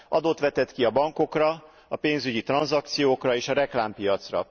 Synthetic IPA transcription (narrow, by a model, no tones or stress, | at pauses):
ʔɒd̪oːt̪ʋɛt̪ɛt̪kiɒbɒŋko̞krɒ | ɒpeːnzyɟit̪rɒnzɒk̚t̪sijoːkrɒeːʃɒɾɛklaːmpijɒt̪srɒ̰